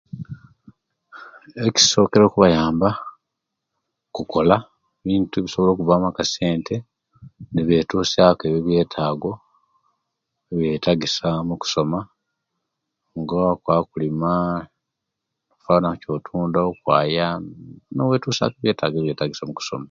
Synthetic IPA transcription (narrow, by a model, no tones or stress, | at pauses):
eci̥so̞ːke̞ɾo̞ːkuβajaːmba | kuko̞la | βiːntuβisoβo̞lo̞ːkuvaːmakase̞ːnte̞ | neβe̞tuːsakeβjoβje̞ːtʰaːɡo̞ | eβje̞taɡisamuku̥so̞ma | ŋɡakwaːkulima | kufanaco̞ːtʰuːndaokwa̰ːjanowe̞ːtuːsa̰keβje̞ːtaːɡeβje̞ːtaɡisamuku̥so̞̰ma